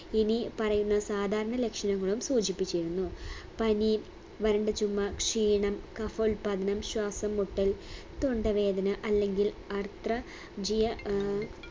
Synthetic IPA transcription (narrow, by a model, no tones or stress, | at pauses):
inipɐrɐjunːɐsaːd̪ʱaːɾɐɳɐle̞kʂɐnɐŋːɐɭumsuːd͡ʑipːit͡ɕːiɾunːupɐni | ʋɐɾɐɳɖɐt͡ɕumːɐkʂiːɳɐmkɐfɐulpɐd̪ʱɐnɐmɕwaːsɐmːuʈːɐl | t̪oɳɖɐʋe̞ːd̪ɐnɐʔɐlːe̞ŋɡil | ɐrt̪rɐ | d͡ʑijɐ